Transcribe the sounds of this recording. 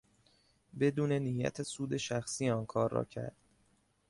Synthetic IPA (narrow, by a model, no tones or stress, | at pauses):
be̞d̪uːne̞nijæ̰t̪ʰesuːd̪e̞ʃæxsiːɒːnkʰɒːɾːɒ̰ːcʰæ̰ɾd̪̥̚